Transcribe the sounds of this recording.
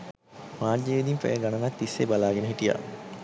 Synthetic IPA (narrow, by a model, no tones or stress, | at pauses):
maːrd͡ʒeʋid̪impɛ̰jəɡanənak̚t̪isːebalaːɡenəɦiʈija̰